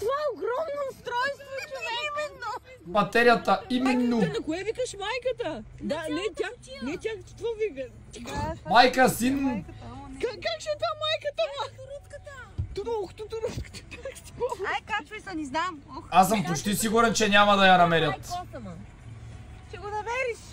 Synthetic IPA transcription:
t̪ovaɛoɡɾɔmnost̪ɾɔjst̪vot̪nɛmɛd̪no | mɐt̪ɛɾjɐt̪ɐimɛnːonɐkʊɛvikəʃmajkɐt̪ɐ | d̪anɛt̪ʲanɛt̪ʲakt̪i̥t̪vovivɛ | t̪ikmajkɐsin | kakakʃɛt̪vamajkɐt̪əmaɾ | t̪ɔlˠkʊ̥t̪ʊt̪ʊɾuskt̪ə̥t̪akt̪i̥kɔkkat͡ʃɛsɐniznamas̬əmpot͡ʃt̪isiɡuɾɛnt͡ʃɛɲʲamɐd̪ɐjɐnɐmɛɾʲjɐt̪ | t͡ʃɛɡonɐmɛɾiʃ

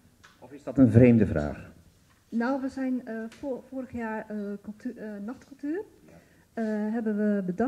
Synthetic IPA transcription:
ɔfɪzdɑtənvrejmdəvra̰ːχ | nawʋəzɛjnfoːɾəxjaːɹˠ | nɑχtkɵlˠtyːr | ɦɛbənʋəbədɑ

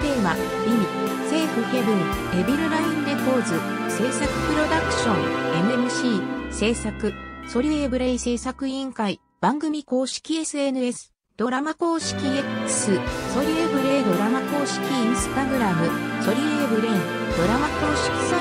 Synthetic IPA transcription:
t̪e̞ːma̰ | mʲimʲi | se̞ːɸɯ̟he̞bɯ̃ŋe̞biɾɯ̟ɾaĩnd̪eko̞ːzɨse̞ːsakɯ̟̥pɯ̟ɾo̞d̪akɯ̟̥ɕõ̞ŋe̞mɯ̟emɯ̟ɕiːse̞ːsakɯ̟so̞ɾʲieːbɯ̟ɾe̞ise̞ːsakɯ̟ĩŋkai | b̥ãŋɡɯ̟mʲiko̞ːɕi̥kʲie̞sɨe̞nɯ̟e̞sɨ̥ | d̪̥o̞ɾamako̞ːɕi̥kʲie̞kɯ̥sɨso̞ɾʲiebɯ̟ɾe̞ːd̪o̞ɾamako̞ːɕi̥kʲiĩɰ̃sɨ̥t̪aɡɯ̟ɾamɯ̟so̞ɾʲieːbɯ̟ɾe̞ | d̪o̞ɾamako̞ːɕi̥kʲi̥sa

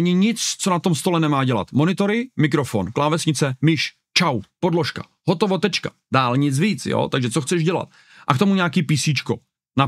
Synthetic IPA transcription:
ɲɪɲɪt͡st͡so̞nat̪o̞mst̪o̞lɛnɛmaːɟɛla̰t̪mo̞nɪt̪o̞ɾɪmɪk̬ɾofonklaːvɛsɲɪt͡sɛmɪʃ | t͡ʃawpo̞dloʃka̰ | ɦot̪ovot̪ɛt͡ʃkḁ̰ | daːlɲɪt͡sviːt͡sjo̰ːt̪aɡʒɛt͡soxt͡sɛʒɟɛla̰t̪̚ | ʔakt̪o̞muɲaːkiːpiːsiːt͡ʃko̰ | na

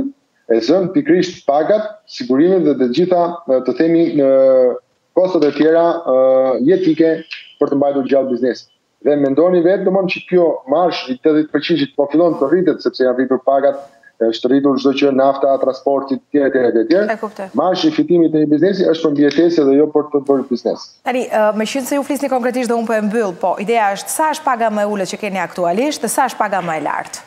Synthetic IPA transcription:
ɛzənt̪ikɾiʃt̪paɡat̪siɡuɾimɛt̪ðɛt̪əd͡ʑiθat̪əθɛminə | kɔst̪at̪ət̪jɛɾa | jɛt̪ikɛpəɾt̪əmbajt̪uɾd͡ʑalˠbiznɛsi̥t̪ | ðɛmɛnd̪ɔnivɛt̪̚d̪əmɔnt͡ɕəkjɔmaɾʃit̪ɛðit̪pəɾt͡ɕint͡ʃət̪pɔfilˠɔnt̪ərit̪ɛt̪sɛpsɛjanrit̪uɾpaɡat̪̚ | ɛəʃt̪ərit̪̬uɾʒd̪ɔt͡ʃənaft̪at̪ɾanspɔɾt̪it̪tːjɛɾɛt̪jɛɾɛt̪ɛt̪jɛɾɛɛkupt̪ɛmaɾʃifit̪imit̪əɲəbiznɛsiəʃt̪̚pəɾmbiɛt̪ɛsɛðɛjɔpəɾt̪əbəjbiznɛ̰si̥t̪aniʔmɛʃinsɛjuflisnikɔŋkɾɛt̪̬iʃ̬t̪ðɛũmpəɛmbylˠpɔʔid̪ɛaəʃt̪saəʃt̪̚paɡaməɛulət̪t͡ʃəkɛniakt̪ualiʃt̪ðɛsaəʃt̪̚paɡaməɛla̰ɾt̪

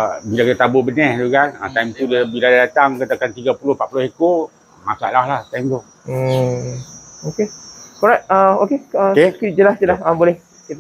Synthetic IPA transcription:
bilakit̪at̪abʊʔbənɛhd̪uɡana̰t̪ajmt̪udabiladadat̪aŋkat̪akant̪iɡapulʊhpa̰ʔpulʊhekoʔ | masa̰ʔlahlaht̪ajŋd̪o | okekɔɾat̚əokeəkekid͡ʒəlasd͡ʒəlahabolɛh | kit̪

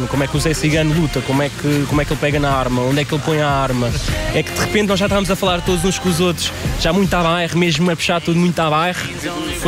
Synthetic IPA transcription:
nkomwɛkuzɛsiɣɐnulˠut̪ɐkomwɛkɨkomwɛkelˠpɛɣɐnɐaɾmɐõnd̪ɛkelˠpõj̃aaɾmɐɛkd̪ɨʁɨpẽnnɔʒaʃt̪avɐmuzɐfɐlˠaɾt̪od̪uzũʃkõuzot̪ɾu̥ʃʒamũj̃t̪aβajʁmeʒmuɛpʃaɾt̪uðumũj̃t̪aβajʁ

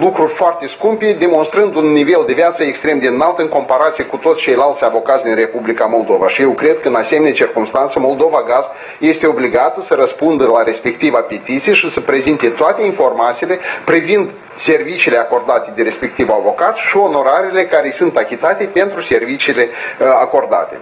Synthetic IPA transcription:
lukɾurʲfoart̪e̞skumped̪e̞mo̞nst̪ɾɨnd̪unːive̞ld̪e̞vjat̪səekst̪ɾe̞md̪eɨnalt̪əɨŋko̞mpaɾat̪sijekut̪ot̪sʲt͡ʃe̞jlalt̪sʲavo̞kat̪sʲd̪inre̞publikamo̞ld̪o̞va̰ʃije̞wkɾe̞d̪̚kəɨnasemenet͡ʃirkumst̪ant̪səmo̞lˠd̪o̞vaɡazb | je̞st̪eo̞bliɡat̪əsəɾəspund̪əlaɾe̞spe̞k̚t̪ivape̞t̪it̪sijʃisəpɾe̞zint̪e̞t̪oat̪e̞info̞rmat̪sile̞pɾivind̪ | se̞rvit͡ʃiːle̞ako̞rd̪at̪e̞d̪eɾe̞spek̚t̪ivavo̞kat̪sʲʃio̞no̞ɾaɾile̞kaɾe̞jsunt̪akʲit̪at̪epe̞nt̪ɾuse̞rvit͡ʃiːle̞ako̞rd̪a̰t̪e̞̰

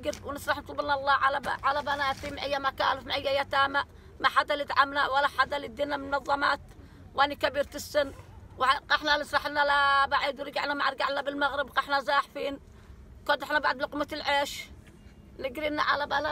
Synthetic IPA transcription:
ɡɾwnɪsɾˤɑħnt̪ˤlbɪnaʔlˤːɑːʕalaʕalabanaːt̪imaʕajːamaka̰ːlɪfmʕɪjːajat̪aːmaʔ | maħad̪ːalit̪ʕamnawalːaħad̪ːalid̪iːnammʊnɑðˤːɑmɑ̰ːt̪ | wʔanikabiːɾt̪ɪsːɪnːwaqɑħnanɪsˤɾˤɑħɪnːalabaʕid̪wɾɡaʕnamaʕɾˤɡaʕnabɪlmaɣɾɪbqɑħnazaːħfiːn | kad̪ɪħnabaʕd̪lʊqmat̪ɪlʕeːʃ | nɪɡɾinaʕalabala

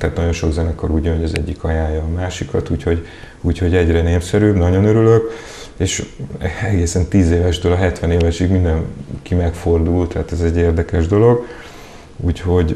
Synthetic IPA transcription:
t̪ɛaːt̪nɒɟo̞nʃo̞ɡzɛnɛkoɾuːɟjøɲɟɒzɛ̰ɟːikɒjaːjɒːmaːʃikɒt̪uːcho̞ɟ | uːcho̞ɟɛɟrɛneːmsɛɾyːbnɒɟo̞nøɾyløk | eːʃ | ɛɡeːsɛnt̪iːzeːvɛʒd̪ølɒɦɛt̪ʋɛneːvɛʃiɡmind̪ɛnkimɛkfo̞rd̪uːlt̪ɛɦːt̪ɛzɛɟːeːrd̪ɛkɛʒd̪o̞lo̞ɡ | uːcho̞ɟ

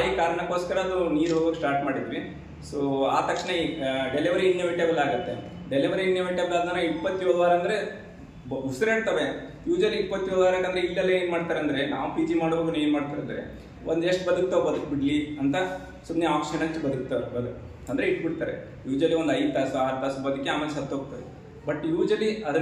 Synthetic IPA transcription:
aɦikaːɾɐɳɐkːoːskɐɾɐːd̪uniːɾɦoɡɐːksʈaːɾʈmaːɽid̪ɾi | soːa̰ːt̪ɐkʂɳeɖeliʋɐɾiinjɐʋiʈjɐɡɐlːaːɡut̪ːe̞ | ɖeliʋɐɾiinjɐʋeʈjɐbɐlaːd̪ɐnːɐipːɐt̪ːjɔʋd̪uʋaːɾɐnd̪ɐɾe | busɾeːɽt̪ɐʋe | juːd͡ʒɾɐɾliipːɐt̪ːjoːd̪uʋaːɾekːɐnd̪ɐɾeilːɐlːeeːnmaːɽt̪aːɾeɐnd̪ɐɾe̞na̰ːʋupiːd͡ʒimaːɽboɡuneːnmaːɽt̪aːɾeɐnd̪ɾḛ | ʔond̪eʂʈbɐd̪uk̚t̪ɐʋbɐd̪uk̚biɽliɐnt̪ɐ | sumneaːkʂɐnɐt͡ʃːubɐd̪uk̚t̪ɐebɐd̪ | ɐnd̪ɐɾeiʈbiɽt̪aːɾḛ | juːd͡ʒɾɐlːiʋod̪ɐjd̪̚t̪aːsuaːɾt̪aːsbɐd̪ukːeaːmelesɐt̪ːɦoːɡ̚t̪ɐʋe | bɐʈːjuːd͡ʒɐliɐd̪ɐ

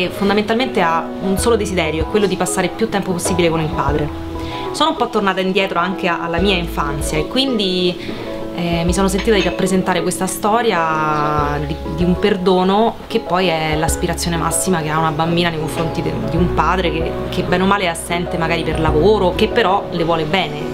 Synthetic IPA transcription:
fond̪ament̪alment̪ea | unsoːlod̪ezid̪ɛːɾjoɛkːwelːod̪ipasːaːɾepjut̪ːɛmpoposːibilekonilpaːd̪ɾe | soːnoumpɔt̪ːornaːt̪aind̪jɛːt̪ɾʔoaŋkeaʔa̰lːamiːaiɱfant̪sjaekːwind̪i | ɛmisoːnos̬ent̪iːt̪ad̪iɾapːɾezent̪aːɾekwest̪ast̪ɔːɾja | d̪i | d̪iumperd̪oːnokepːɔjɛlaspiɾat̪sːjoːnemʔa̰sːimakeaunabambiːnanejkoɱfɾont̪id̪iumpaːd̪ɾeke | kebːɛːnomaːleasːɛnt̪emaɡaːɾiperlavoːɾokepːeɾɔlevwɔːlebɛːne

